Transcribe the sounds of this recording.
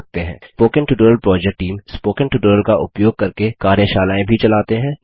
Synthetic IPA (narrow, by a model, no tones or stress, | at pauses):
k̚t̪eɦɛ̰̃ːpoːkə̃ɳʈuɖoːɾəlpɾɔːd͡ʒɛk̚ʈːiːmspoːkə̃nʈuːʈəːɾəlkaʔʊpjoːɡ̚kɐɾkekaːɾjaʃaːlaːẽbʱit͡ʃɐlaːt̪eɦɛ̃ː